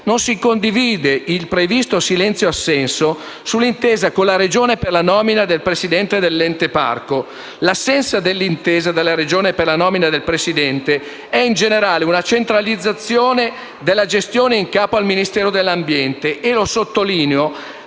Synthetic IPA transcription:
nonsikond̪iviːd̪eilpɾevist̪osilɛnt̪sjoasːɛnso | sulːint̪eːzakolːaɾed͡ʒoːneperlanɔːminad̪elpɾesid̪ɛnt̪ed̪elːɛnt̪epa̰rko | lasːɛnsad̪elːint̪eːzad̪elːaɾed͡ʒoːneperlanɔːminad̪elpɾesid̪ɛnt̪e | ɛind͡ʒeneɾaːleunat͡ʃent̪ɾalid̪zːat̪sːjoːne | d̪elːad͡ʒest̪joːneiŋkaːpoalminist̪ɛːɾod̪elːambjɛnt̪eʔːlosot̪ːoliːneo

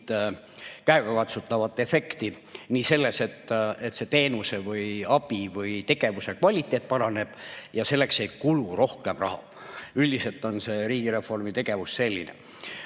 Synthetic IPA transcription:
t̪ | kæeɡɑkɑt̪sut̪ːˑɑvɑt̪ːˑe̞fe̞kt̪i | niːse̞lːe̞se̞t̪ːe̞t̪ːˑse̞t̪e̞ːnuse̞vɯjɑb̥ivɯjt̪e̞ɡ̥e̞vuse̞kvɑlʲit̪ːˑe̞ːt̪̚ːˑpɑɾɑne̞b̥jɑse̞lːe̞kse̞jkuluro̞hke̞mrɑ̰hɑ̰ | yld̪̥ise̞lt̪ːˑo̞nse̞ɾiːɡ̥iɾe̞fːo̞rmit̪e̞ɡ̥e̞vusːe̞lʲːḭnḛ

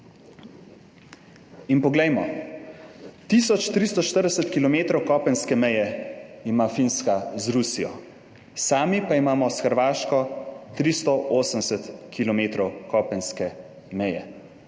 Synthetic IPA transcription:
inpɔɡlɛjmɔ | t̪isɔt͡ʃt̪ɾist̪ɔʃt̪əɾd̪ɛsɛt̪kilɔmeːt̪ɾɔwkɔːpənskɛmɛjɛimafinskazɾusijɔ̰ | saːmipaimaːmɔsxəɾʋaːʃkɔt̪ɾist̪ɔʔoːsənɛsɛt̪kʰilɔmeːt̪ɾɔwkɔpənskɛ | mɛjɛ̰

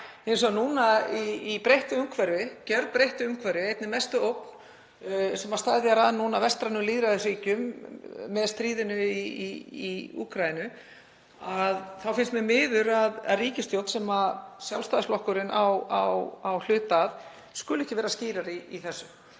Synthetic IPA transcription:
ensɔanunaiipɾejht̪ʏʏmkʰvɛɾvɪcɛɾðpɾejht̪ʏʏmkʰvɛɾvɪejt̪nɪmɛst̪ʏowkn̥ | sɛmast̪aːðjaɾaːðnːunavɛst̪ɾanʏliːðɾaðɪ̥riːcʏmː | ɛðst̪ɾiːðɪnʏiiiṵːkɾajɪnʏ | aðθawfɪnst̪mɛðmɪːðʏɾaða̰ðriːcɪst̪jowt̪sɛmasjalst̪aːðslɔhkʏɾɪnʔawawawl̥ʏːt̪að | skʏlɛhcɪvɛːɾasciːɾaɾiiθɛsːʏm

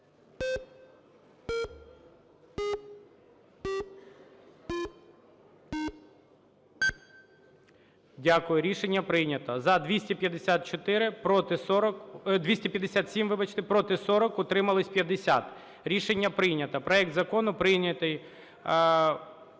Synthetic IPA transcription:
dʲakʊjʊɾʲiʃenʲːɐpɾɪjnʲɐt̪ɐzɐd̪ʋʲisʲtʲipʲjɐd̪esʲat̪̚t͡ʃɔt̪ɪɾɪpɾɔt̪ɪsɔɾɔkd̪ʋʲisʲtʲipjɐd̪ːesʲat̪sʲimʋɪbɐt͡ʃt̪ɪpɾɔt̪ɪsɔɾɔkʊt̪ɾɪmɐlˠɪsʲpʲjɐd̪esʲat̪ | ɾʲiʃenʲːɐpɾɪjnʲɐt̪ɐpɾɔjɛk̚t̪zɐkɔnʊpɾɪjnʲɐt̪ɪj

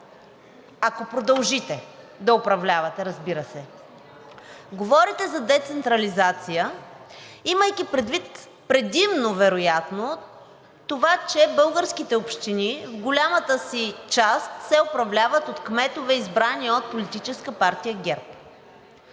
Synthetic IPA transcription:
ɐkopɾod̪ɐlˠʒit̪ɛ | d̪ɐopɾɐvlʲavɐt̪ɛɾɐzbiɾəsɛ | ɡovɔɾit̪ɛzɐd̪ɛt̪sɛnt̪ɾɐlizat̪sijə | iməjk̟ipɾɛd̪vit̪ | pɾɛd̪imnovɛɾojat̪no | t̪ovat͡ʃɛbɤlˠɡəɾsk̟it̪ɛopʃt̪inivɡolʲamət̪əsit͡ʃast̪sɛopɾɐvlʲavət̪ot̪kmɛt̪ovɛizbɾaniəot̪̚polit̪it͡ʃɛskəpaɾt̪ijəɡʲɛɾp

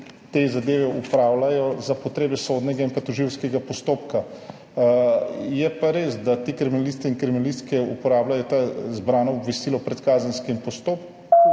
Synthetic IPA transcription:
t̪ezad̪eːʋɛupɾaːwlajɔzapɔt̪ɾeːbɛsod̪nɛɡainpat̪ɔʒiwskɛɡapɔst̪oːpka | jɛpaɾeːzd̪at̪ekɾɛminalist̪iiŋkɾɛminalist̪kɛupɔɾaːblajɔt̪azbɾaːnɔːbʋɛst̪iːlɔpɾɛt̪kaːzənskimpɔst̪oːp̚k

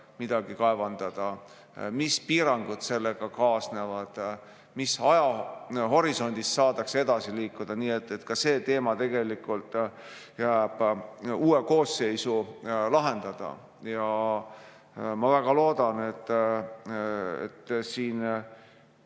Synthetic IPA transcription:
mid̪̥ɑɡ̥ikɑe̞vɑnd̪̥ɑd̪̥ɑ | mispiːɾɑŋɡ̥ud̪̥se̞lːeɡ̥ɑkɑːsnevɑd̪̥ | misɑjɑɦo̞ɾiso̞nʲd̪̥isːɑːd̪ɑkse̞d̪̥ɑsiliːkːˑud̪̥ɑniːe̞t̪ːˑe̞t̪kɑse̞ːt̪e̞ːmɑt̪e̞ɡ̥e̞likːult̪ˑ | jæːb̥uːe̞ko̞ːsːe̞jsulɑɦe̞nd̪̥ɑd̪̥ɑ̰ | jɑ | mɑvæɡ̥ɑlo̞ːd̪ɑne̞t̪ːˑ | ḛt̪ːsiːn

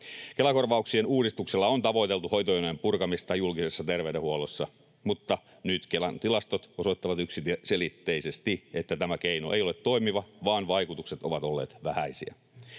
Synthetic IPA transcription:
kelɑko̞rʋɑuksienuːdist̪ukselːɑont̪ɑʋo̞it̪e̞lt̪uho̞jt̪ojonempurkɑmist̪ɑjulkisesːɑt̪erʋewdehuolosːɑ | mut̪ːɑ | nyt̪kelænt̪ilɑst̪ot̪o̞sot̪ːɑʋɑt̪yksit̪selit̪ːeise̞st̪iet̪ːæt̪æmækeinuʔḛjolet̪to̞imiʋɑʋɑːnʋɑjkut̪ukset̪o̞ʋɑt̪o̞lːeːt̪ʋæhæisḭæ̰

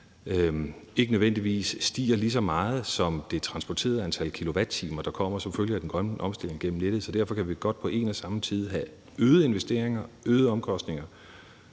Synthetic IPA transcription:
øe̝ɡ̥ənøðˠʋen̰d̥iʋḭːsːd̥ḭːɐlis̬ɒ̽mɑ̈ːð̞̩ˠsɒ̽md̥e̝t͡sʰʁɑ̈nsb̥ɒt͡sʰe̝̰ːɐð̩ˠænt͡sʰælkʰilo̝ʋæd̥̚t͡sʰiːmɐd̥ɑ̈kʰɒ̽m̰ɐsɒ̽mføljəæd̥enɡ̥ʁɶnʔɒ̽msd̥e̝l̰e̝ŋɡ̥en̰m̩ned̥ð̩ˠsɒ̽d̥æɐ̰fɒ̽kʰæʋiɡ̥ɒ̽d̥̚pʰɒ̽ʔe̝̰ːnæsɑ̈mət͡sʰið̞ˠɦæ | øːðˠəe̝nʋesd̥e̝ɐ̰eŋɐøːðˠəɒ̽mkʰɒ̽sd̥ne̝ŋɐ

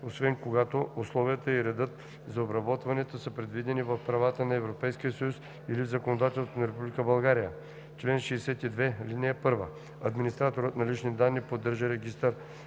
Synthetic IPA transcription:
osvɛnkoɡat̪oʊslˠɔvijət̪əiɾɛd̪ɤt̪ | zɐobɾɐbɔt̪vɐnɛt̪osəpɾɛd̪vid̪ɛnivɐfpɾɐvat̪ənɐɛvɾopɛjsk̟ijəsəjus | ilivzɐkonod̪at̪ɛlsonɐɾɛpublʲikəbɐlˠɡaɾijə | t͡ʃlɛnʃɛːsɛt̪id̪vɛlinijəpɤɾvə̰ | ɐd̪minist̪ɾat̪oɾət̪nɐlit͡ʃnid̪anːipod̪ːəɾʒəɾɛɡist̪əɾ

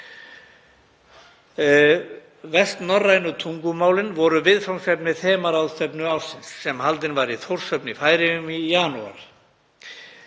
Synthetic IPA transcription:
vɛst̪nɔrːajnʏt̪ʰuŋkʏmaːwlɪnvɔɾʏvɪðfawnsɛpnɪθɛːmaɾawðst̪ɛpnʏawɾ̥sɪnsːɛmhalt̪ɪnvaɾiθowr̥sœpnɪfaːjɾɪʏmijanṵa̰ɾ

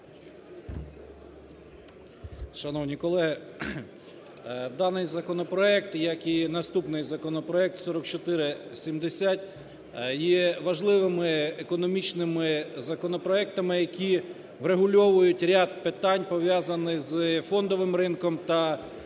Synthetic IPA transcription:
ʃɐnɔwnʲikɔlˠɛɦɪ | d̪ɑnɪjzɐkɔnɔpɾɔɛk̚t̪jɐkinɐst̪upnɪjzɐkɔnɔpɾɔɛk̚t̪sɔɾɔkt͡ʃɔt̪ɪɾɪsʲimd̪esʲatʲ | jɛʋɐʒlˠɪʋɪmɪekɔnɔmʲit͡ʃnɪmɪzɐkɔnɔpɾɔɛk̚t̪ɐmɪjɐkʲi | ʋɾeɦʊlʲɔʋʊjʊtʲɾʲad̪̚pɪt̪ɑnʲpɔʋʲjazɐnɪxzfɔnd̪ɔʋɪmɾɪnkɔmt̪ɐ

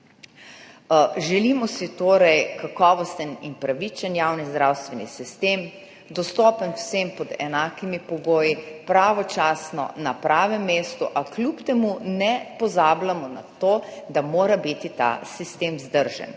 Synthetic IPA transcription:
ʒɛlimɔsit̪oːɾɛjkakɔːʋɔst̪əninpɾaʋit͡ʃənjawnizd̪ɾawst̪ʋɛnḭsist̪eːm | d̪ɔst̪ɔːpənwsempɔd̪ɛnaːkimipɔɡoːjipɾaːʋɔt͡ʃaːsnɔ̰napɾaːʋɛmːeːst̪uʔaklʲupt̪ɛmunɛpɔzaːblamɔna̰t̪oːd̪amoːɾabit̪it̪a̰sist̪eːmzd̪əɾʒɛ̰n

